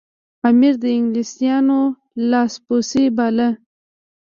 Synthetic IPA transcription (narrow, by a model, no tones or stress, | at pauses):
amiɾd̪əɪŋɡlisijɑno | lɑsposibɑlə